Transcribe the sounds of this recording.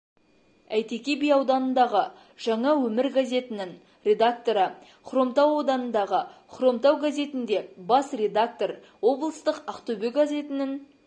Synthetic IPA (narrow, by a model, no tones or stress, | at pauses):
æjt̪e̞kʲe̞bijɑwd̪ɑnənd̪ɑʁə | ʒ̥ɑɴɑwɵmɪɾɡaze̞t̪ɪnɪŋ | rʲe̞d̪ak̚t̪o̞ɾə | qʰɾo̞mt̪ɑwo̞d̪ɑnənd̪ɑʁəqʰro̞mt̪ɑwɡazʲe̞t̪ɪnd̪e̞bɑsrʲe̞d̪ak̚t̪o̞r | wo̞blˠəst̪əqɑqt̪obeɡazʲe̞t̪ɪnɪŋ